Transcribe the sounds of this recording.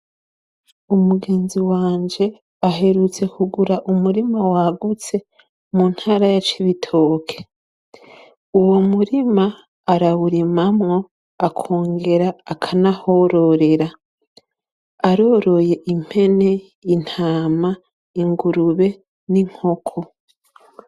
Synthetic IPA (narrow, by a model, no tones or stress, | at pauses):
umuɡe̞ːnziwaːɲd͡ʒe̞ | aɦe̞ɾut͡se̞kuɡuɾaʔumuɾimawaɡut͡se̞ | mun̥haɾajat͡ʃiβitʰoːkʰe̥ | uwomuɾimaː | ɾaβuɾimamŋo̞ | akʰo̞ːŋɡe̞ɾaːkʰanahoɾo̞ɾe̞ɾa | aɾo̞ːɾo̞je̞ʔim̥he̞ne̞ | in̥haːma | iŋɡuɾuβe̞ | niŋ̥ho̞kʰo